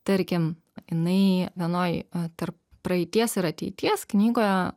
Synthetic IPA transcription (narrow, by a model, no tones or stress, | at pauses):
t̪ɐɾʲkʲɪm | jɪnɐɪʋʲiɛnoːjt̪ɐɾp̚ | pɾɐɛɪt̪ʲiɛsɪɾɐt̪ʲɛɪt̪ʲiɛsknʲiːɡoːjɛ